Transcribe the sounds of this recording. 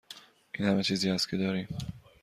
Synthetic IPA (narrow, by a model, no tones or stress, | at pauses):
ʔiːnhæmet͡ʃʰiːziːhæst̪kʰcʰed̪ɒːɾiːm